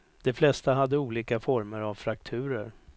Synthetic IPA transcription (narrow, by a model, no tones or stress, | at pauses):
d̪̥ɛflɛst̪aɦad̪ːəuːliːkafɔɾməɾavfɾakt̪ʰʉ̟ːɾəɾ